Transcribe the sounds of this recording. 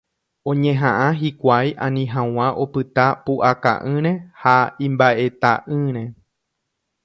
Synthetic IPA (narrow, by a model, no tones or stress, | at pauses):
õ̞ɲẽ̞ɦãʔãɦikʷajʔãnĩɦãw̃ãʔo̞pɨt̪apuʔaka̰ʔɨ̃ɾ̃ẽ̞haĩmbaʔe̞t̪aʔɨɾ̃ẽ̞